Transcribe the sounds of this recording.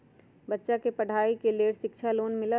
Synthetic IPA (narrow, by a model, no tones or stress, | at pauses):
bɐtːʃakepɐɽ̤ʱaːikeleːɽʃɪkt͡ʃʰaloːnmɪla